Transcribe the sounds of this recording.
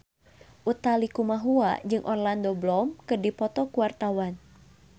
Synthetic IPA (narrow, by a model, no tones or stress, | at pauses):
ʔut̪alikumaɦua̰d͡ʒɨŋʔɔrlandɔblɔmkɨdipɔt̪ɔkuwart̪awan